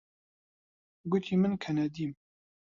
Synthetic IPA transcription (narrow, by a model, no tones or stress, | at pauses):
ɡʊt̪ʰiːmɨnkʰɛnɛd̪im